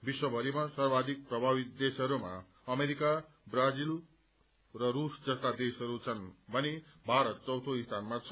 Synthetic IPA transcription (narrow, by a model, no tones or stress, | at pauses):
biswʌbʱʌɾimasʌrbad̪ʱik̚prʌbʱabit̪d̪esʌɾuma | ʌmeɾika | brad͡zil | rʌɾusd͡zʌst̪ad̪esʌɾut͡sʰʌnbʱʌnibʱaɾʌt̪̚t͡sʌwt̪ʰoist̪ʰanmat͡sʰ